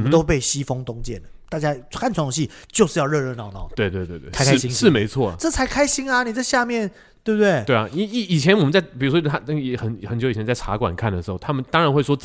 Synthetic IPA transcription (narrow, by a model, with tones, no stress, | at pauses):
mə˦t̪o˦˥ʊpe˥˩ɪɕi˥fɤ˥ŋt̪ʊ˥ŋt͡ɕjɛ˥˩nd̪ə˩t̪a˥˩t͡ɕja˥kʰa˥˩nʈ͡ʂʰw̪o˧ŋɕi˥˨˩ | t͡ɕjo˥˧ʊʂɻ̩˥˧jɑ˥˧ʊɻɤ˥˧ɻə˥˧nɑ˥˩ʊnɑ˨˩ʊt̪we˥˧ɪt̪we˥˧ɪt̪we˥˧˩t̪kʰa˥ɪkʰa˥ɕi˥ŋʂɻ̩˥˩me˧˥ɪt͡sʰwɔ˥˩˨ʈ͡ʂɤ˥˩t͡sʰa˧˥ɪkʰa˥ɪɕi˥ŋɐ˨ni˨˩t͡sa˥˧ɪɕja˥˧mjɛ˥˨n | t̪we˥˩bə˧t̪we˥˩ɪwe˥˩ɪ˨˩i˧˥i˨˩i˨˩t͡ɕʰjɛ˧˦nwɔ˨˩ə˨˦t͡sa˥˩ɪpi˨˩u˥ʂwɔ˥a˥ə˥˧jɛ˨˦xə˧˦nxə˧˥nt͡ɕjo˧˦i˨˩ɛ˧˦nt͡sa˥˩ɪʈ͡ʂʰa̰˧˥kwa̰˨˩nkʰa˥˩nd̪ə˩ʂɻ̩˧˥xo˥˩ʊt̪ʰa˥mə˨nt̪ɑ˥ŋɻa˨˦nxwe˥˩ɪʂwɔ˥